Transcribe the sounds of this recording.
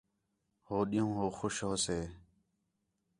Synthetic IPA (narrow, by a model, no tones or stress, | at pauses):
hoːɗijõːɦoːxʊʃɦoːseː